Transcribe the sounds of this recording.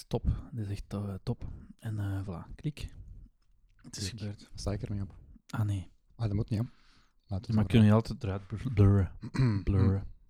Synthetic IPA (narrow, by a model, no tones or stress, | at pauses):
tɔptɪsɛxttɔpɛnəːvla̰ːklik | ətɪ̥sxəbøːrtast̪aːɪkərmeɔpaːneː | aːdəmutniɔm | laːtəmakʏnəiɑlˠtɛdəɾœːt̚bbløːɹəbløɹə